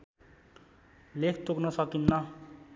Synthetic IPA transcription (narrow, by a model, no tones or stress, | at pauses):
lekʰt̪oknʌsʌkinːʌ